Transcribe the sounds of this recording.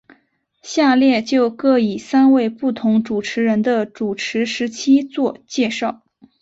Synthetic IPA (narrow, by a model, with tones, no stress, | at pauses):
ɕja˥˧ljɛ˥˧t͡ɕjo˥˧ʊkɤ˥˩i˨˩sa˥nwe˥˧ɪpu˥˩t̪ʰʊ˧˥ŋʈ͡ʂu˨˩ʈ͡ʂʰɻ̩˧˥ɻə˧˥nd̪ə˧ʈ͡ʂu˨˩ʈ͡ʂʰɻ̩˧˥ʂɻ̩˧˥t͡ɕʰi˥t͡swɔ˥˧t͡ɕjɛ˥˧ʂɑ˥˩ʊ